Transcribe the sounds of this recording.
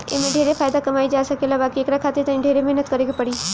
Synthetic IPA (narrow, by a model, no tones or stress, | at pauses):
ḛmẽɖʱeːɾefʰaːjd̪akɐmaːid͡ʒaːsəkelabaːkieːkɾakʰaːt̪ɪt̪ənĩɖʱeːɾemeɦnət̪kəɾeɡepəɽiː